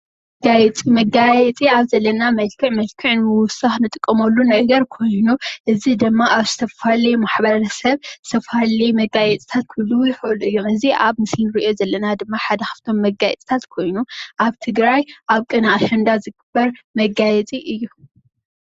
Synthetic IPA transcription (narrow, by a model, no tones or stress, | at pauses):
ɡajɛt͡sʼimɐɡajɛt͡sʼiaβzɐlːɐnamɐlkʰɨʕmɐlkʰɨʕnmɨwʊsaxnɨt̪ʼɨkʼːɐmɐlːunɐɡɐɾkʰo̞jnuʔɨzid̪ɨmːaʔaβzɨt̪ʰɐfalimaħbɐɾɾɐsɐβɨ̥t̪ʰɐfhalimɐɡajɛt͡sʼi̥t̪ʰat̪̚kʰɨlːujɪxɨʔɨlɨjːuɨziʔaβmɨslnɨɾiʔijo̞zɐlːɐnad̪ɨmːaħad̪ɐxɐ̥ft̪ʰo̞mːɐɡajɛt͡sʼt̪ʰat̪kʰo̞jnuʔaβt̪ʰɨɡɾajʔaβkʼɨnaaʃɐnd̪azɨɡɨb̥ːɐɾmɐɡajɛt͡sʼiʔɨjːu